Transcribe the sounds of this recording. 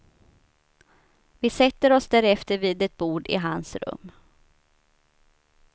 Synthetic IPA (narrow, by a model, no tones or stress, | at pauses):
vɪsɛt̪ːəɾɔsd̪æːɾɛft̪əɾviːd̪ɛt̪̚buːɖɪ̰ɦansɾɵ̰mː